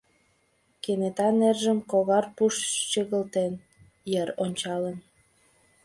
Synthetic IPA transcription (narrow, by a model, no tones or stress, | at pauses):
kenet̪ɑnerʒəmkoɣɑrpuʃt͡ɕəɣəlt̪en | jəɾonʲt͡ɕɑlən